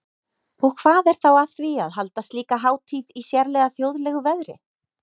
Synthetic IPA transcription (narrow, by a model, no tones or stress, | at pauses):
ɔkʰv̥aːðɛɾ̥θawaθviaðɦalt̪ast̪liːkaɦaːwt̪ʰiːðisjɛɾlɛɣaθjowðlɛɣʏvɛðɾɪ̰